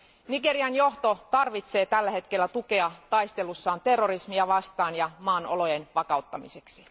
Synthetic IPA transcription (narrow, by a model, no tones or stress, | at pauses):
niɡe̞ɾiɑnjo̞ht̪o̞t̪ɑrʋit̪se̞ːt̪ælːæɦe̞t̪ke̞lːæt̪uke̞ɑt̪ɑjst̪e̞lusːɑːnt̪e̞rːoɾismiɑʋɑst̪ɑːnjɑmɑːnʔo̰lo̞jenʋɑkɑut̪ːɑmise̞ksi